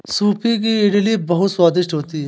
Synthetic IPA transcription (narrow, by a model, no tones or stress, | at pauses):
suːpʰik̬iɪɖliːbɐɦʊt̪swaːd̪ɪʃʈɦoːt̪iɦɛ